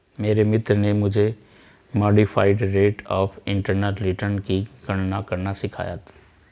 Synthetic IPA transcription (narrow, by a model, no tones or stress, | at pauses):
meːɾemɪt̪ɾnemʊd͡ʒʱe | mɔːɖifʰaːɪɖɾeːʈɔːfʰɪ̃ɳʈəɾneʈɾiʈəɾnkiɡɐɽnakɐɾnasɪkʰa̰ːja̰t̪ʰ